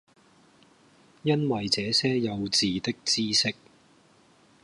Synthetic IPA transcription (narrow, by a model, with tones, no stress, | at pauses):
jɐ˥nwɐ˨jt͡sɛː˨˥sɛː˥jɐ˨˧wt͡siː˨t̪ɪ˥k̚t͡siː˥sɪ˥k̚